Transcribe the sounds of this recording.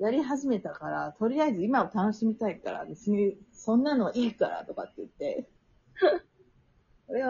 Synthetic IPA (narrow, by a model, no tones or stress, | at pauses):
jaɾʲiɦaʑime̞t̪akaɾat̪o̞ɾʲiaizɨimaot̪ano̞ɕimʲit̪aikaɾa̰bet͡sɨɲ̟isõ̞nːano̞ʔiːkaɾa̰t̪o̞ka̰t̪ːeɯ̟t̪ːe̞ | koɾe̞